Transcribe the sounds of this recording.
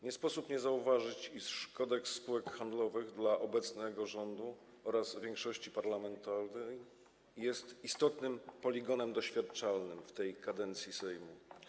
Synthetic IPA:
ɲɛspɔsupɲɛzauvaʐɘt͡ɕiʂʂkɔd̪ɛksːpuwɛkxand̪lɔvɘɣd̪laʔɔbɛt̪snɛɡɔʐɔnd̪u | ɔɾazvʲjɛŋkʂɔɕt͡ɕipaɾlamɛnt̪alnɛjː | ɛst̪ist̪ɔt̪nɘmpɔlʲiɡɔnɛmd̪ɔɕfʲjat̪t͡ʂalnɘmft̪ɛjkad̪ɛnt̪sʲjisɛjmu

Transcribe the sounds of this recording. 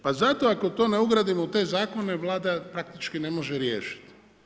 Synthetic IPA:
pazat̪o̞ako̞t̪o̞ːne̞uɡɾaːd̪imout̪e̞ːzaːko̞ne̞ʋlˠaːd̪apɾak̚t̪it͡ʃkinemo̞ʒeɾjḛːʃi̥t̪

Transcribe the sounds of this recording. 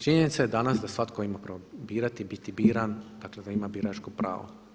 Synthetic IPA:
t͡ʃiɲenit̪sajed̪anasd̪asʋat̪koimapɾobiːɾat̪ibit̪ibiːɾand̪̥akled̪aimabiːɾat͡ʃkopɾa̰ːʋo̰

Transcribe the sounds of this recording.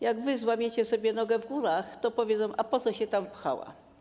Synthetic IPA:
jaɡvɘzwamʲjet͡ɕɛsɔbʲjɛnɔɡɛvɡuɾaxt̪ɔpɔvʲjezɛmʔapɔt̪sɔɕɛt̪ampxa̰wa̰

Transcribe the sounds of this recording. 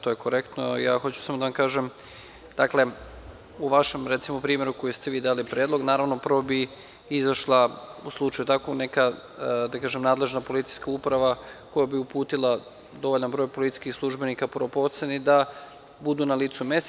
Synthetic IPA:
t̪ojeko̞ɾekt̪nojaːxo̞t͡ɕu̥samod̪aʋamkaːʒem | d̪̥akle̞ | uʋaʃemɾet̪simopɾiːme̞ɾukojest̪eʋiːd̪aːalipɾjeːd̪lˠo̞ɡnaːɾaʋnopɾr̩ʋobi | izaʃlˠauslˠut͡ʃajut̪akoneka | d̪akaːʒemnaːd̪le̞ʒnapo̞lit̪i̥jskaupɾaʋako̞jabiupuːt̪ilˠa | d̪o̞ʋoʎanbɾo̞jpolit̪i̥skixslˠuʒbe̞nikapɾopo̞t̪senid̪a | bud̪unaliːt̪sumes

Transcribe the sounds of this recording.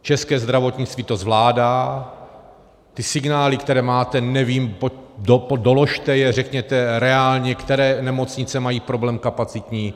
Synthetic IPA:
t͡ʃɛskɛːzd̪ɾavo̞t̪ɲɪt͡st̪viːt̪o̞zvlaːdaː | t̪ɪsɪɡnaːlɪkt̪ɛɾɛːmaːt̪ɛnɛviːmpodopodolo̞ʃt̪ɛjɛrɛkɲɛt̪ɛɾɛaːlɲɛkt̪ɛɾɛːnɛmo̞t͡sɲɪt͡sɛmajiːpɾo̞blɛːmkapat͡sɪt̪ɲiː

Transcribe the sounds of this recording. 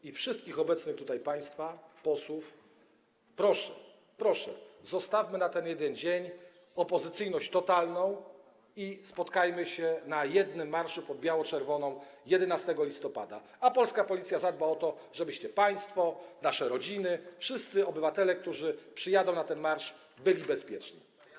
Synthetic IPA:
ifʂɘst̪̚kʲixɔbɛt̪snɘxt̪ut̪ajpaj̃st̪fapɔswuf | pɾɔʂɛ | pɾɔʂɛ̰zɔst̪afmɘnat̪ɛnjɛd̪ɛɲʲd͡ʑeɲ | ɔpɔzɘt̪sɘjnɔɕt͡ɕt̪ɔt̪alnɔ̃w̃ | ispɔt̪kajmɘɕɛnajɛd̪nɘmːaɾʂupɔd̪̚bʲjawɔt͡ʂɛɾvɔnɔ̃w̃jɛd̪ɛnast̪ɛɡɔlʲist̪ɔpa̰d̪a̰ | apɔlskapɔlʲit̪sʲjazad̪baɔt̪ɔʐɛbɘɕt͡ɕɛpaj̃st̪fɔnaʂɛɾɔd͡ʑinɘfʂɘst̪sɘɔbɘvat̪ɛlɛk̚t̪uʐɘpʂɘjad̪ɔ̃w̃nat̪ɛnmaɾʂ | bɘlʲibɛspʲjɛt͡ʂɲḭ

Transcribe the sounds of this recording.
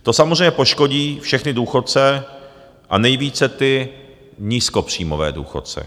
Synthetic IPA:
t̪o̞samozrɛjɲɛpo̞ʃko̞ɟiːfʃɛxnɪduːxo̞tt͡sɛ | ʔanɛjviːt͡sɛt̪ɪ | ɲiːskopr̝̥iːmovɛ̰ːdṵːxo̞tt͡sɛ̰

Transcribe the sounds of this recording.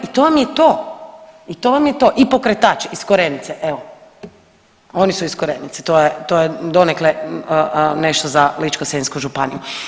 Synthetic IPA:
it̪oʋamjet̪oː | it̪oʋamjet̪o̞ːʔipo̞kɾet̪aːt͡ʃiskoɾenit̪seʔeʋo | o̞nisuiskoɾenit̪se̥t̪ojet̪ojed̪o̞nekle | neʃt̪ozalit͡ʃkoseinskuʒupanḭju

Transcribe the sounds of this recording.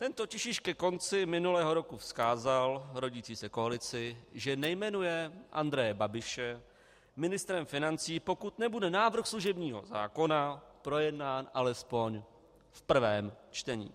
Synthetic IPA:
t̪ɛnt̪o̞cɪʃɪʃkɛko̞nt͡sɪmɪnulɛːɦo̞ɾo̞kufskaːzalɾo̞ɟiːt͡siːsɛko̞alɪt͡sɪʒɛnɛjmɛnujɛʔa̰nd̪ɾɛjɛbabɪʃɛ | mɪnɪst̪ɾɛmfɪnant͡siːpo̞kut̪nɛbudɛnaːvr̩xsluʒɛbɲiːɦo̞̰za̰ːko̞napɾo̞jɛdnaːnʔalɛspo̞ɲ | fpr̩vɛːmt͡ʃt̪ɛɲḭː

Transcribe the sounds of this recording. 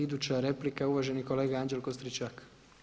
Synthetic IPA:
id̪uːt͡ɕaɾe̞plikauʋaʒe̞niko̞le̞ːɡaand͡ʒelkost̪ɾit͡ʃak

